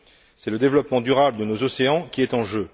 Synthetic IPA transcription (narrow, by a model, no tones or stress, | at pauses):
sɛləd̪evlɔpmɑ̃d̪yʁabləd̪ənozɔseɑ̃kʲiɛt̪ɑ̃ʒø